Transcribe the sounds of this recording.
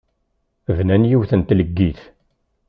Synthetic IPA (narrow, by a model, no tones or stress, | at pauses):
vnænjiwθənt̪ləɡːiθ